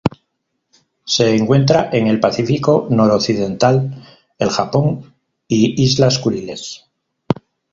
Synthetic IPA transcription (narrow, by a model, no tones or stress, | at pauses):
se̞ːŋkwe̞nt̪ɾaʔe̞ŋe̞lpaθifiko̞no̞ɾokθið̞e̞nt̪al | e̞lxapo̞ŋ | iizlaskuɾile̞s